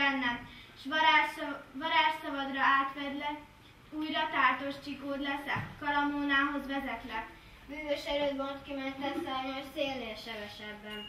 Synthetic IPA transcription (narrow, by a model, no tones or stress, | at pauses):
ɛnːɛmʃ | vɒɾaːrsɒvɒd̪rɒaːt̪ʋɛd̪lɛ | uːjrɒt̪aːrt̪o̞ʃt͡ʃikoːd̪lɛsɛkɒlɒmoːnaːɦo̞zʋɛzɛt̪lɛ | byːvøʃɛɾøːd̪bolt̪kimɛnt̪ɛsaːjmojseːlːeːlʃɛvɛʃɛbːɛn